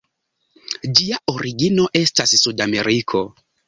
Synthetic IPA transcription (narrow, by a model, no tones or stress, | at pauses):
d͡ʒiaʔoɾiɡino̞ʔe̞stassudame̞ɾikʰo̞